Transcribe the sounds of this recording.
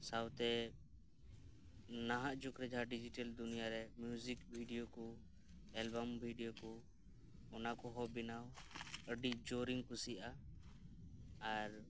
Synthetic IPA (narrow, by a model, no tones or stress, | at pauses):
sawt̪ɛ | naɦaʔd͡ʒukɾɛd͡ʒʱaɖid͡ʒiʈɛld̪unijaɾɛmjuzikbʱiɖijoku | ɛlbambʱiɖijokɔ | ɔnakɔɦɔbinawəɖiʔd͡ʒoɾiŋkusia | ɾ